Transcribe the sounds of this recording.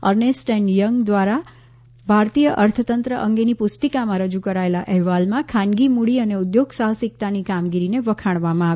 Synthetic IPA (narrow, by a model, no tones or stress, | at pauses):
əɾnesʈenjəŋɡd̪ʋaɾa | bʱaɾt̪ijəʔəɾt̪ʰət̪ənt̪ɾəʔəŋɡenipʊst̪əkamãɾəd͡ʒukəɾaelaʔɛɦʋalmãkʰãnɡimuɽiəneud̪joɡsaɦəsik̚t̪anikamɡiɾineʋəkʰaɽʋamãaʋ